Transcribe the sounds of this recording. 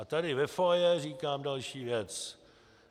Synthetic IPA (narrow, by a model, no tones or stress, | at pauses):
ʔat̪adɪvɛfojɛriːkaːmdalʃiːvjɛt͡s